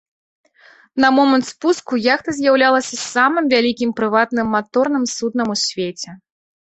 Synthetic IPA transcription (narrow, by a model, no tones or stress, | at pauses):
nɐmɔmɐnt̪spuskujaxt̪ɐzʲjawlʲalˠɐsʲɐsamɨmvʲalʲikʲimpɾɨvat̪nɨmːat̪ɔrnɨmsud̪nɐmusʲvʲet͡sʲɛ